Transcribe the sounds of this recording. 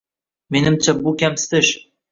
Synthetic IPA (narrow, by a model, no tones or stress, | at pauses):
me̞nɪmt͡ʃʰabukʲamsɪ̥t̪ɪʃ